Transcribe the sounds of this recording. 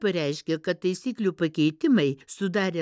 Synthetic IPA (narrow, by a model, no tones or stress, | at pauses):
pɐɾʲæɪʃʲkʲekɐt̪t̪ɐɪsʲiːklʲuːpɐkʲɛɪt̪ʲɪmɐɪsʊd̪ɑːɾʲe